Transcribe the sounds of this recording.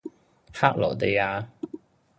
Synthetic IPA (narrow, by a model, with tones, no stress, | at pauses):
haː˥k̚lɔ̰ː˨˩t̪e˧jaː˧